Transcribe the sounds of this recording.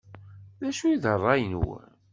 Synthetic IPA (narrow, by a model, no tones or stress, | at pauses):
ðæʃujiðərˤːɑjnwæ̰